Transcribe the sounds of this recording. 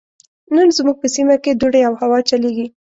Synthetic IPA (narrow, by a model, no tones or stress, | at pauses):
nənzmuɡ̚pəsimaked̪uɽeawhawɑt͡ʃaleɡi